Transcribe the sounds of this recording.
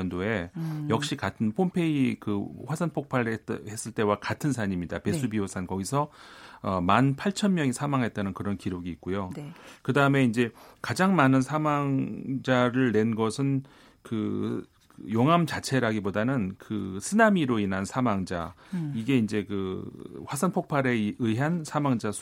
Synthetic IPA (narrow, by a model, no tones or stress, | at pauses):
ʌndoe̞jʌk̚ɕ͈ikatʰɯnpʰompʰe̞ikɯɸwasʰanpʰok̚pʰaɾhe̞s͈ɯɭt͈e̞wakatʰɯnsʰaɲimɲidape̞s͈ʰubiosʰankʌɡisʰʌʌmanpʰaɭt͡ɕʰʌnmjʌŋisʰamaŋɦe̞t̚t͈anɯnkɯɾʌnkiɾoɡiːt̚k͈ojokɯdaɯme̞ind͡ʑe̞kad͡ʑaŋmanɯnsʰamaŋd͡ʑaɾɯɭne̞nɡʌsʰɯn | kɯ | joŋɦamt͡ɕat͡ɕʰe̞ɾaɡibodanɯnkɯsʰɯnamiɾoinɦansʰamaŋd͡ʑa̰ | iɡe̞ind͡ʑe̞kɯɸwasʰʌnpʰok̚pʰaɾe̞ɯɦansʰamaŋd͡ʑasʰ